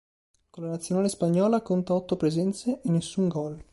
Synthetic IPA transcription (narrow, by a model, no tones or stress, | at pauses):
kolanat̪sjonaːlespaɲːɔːlakont̪aɔt̪ːopɾezɛnt̪seʔenːesːuŋɡɔl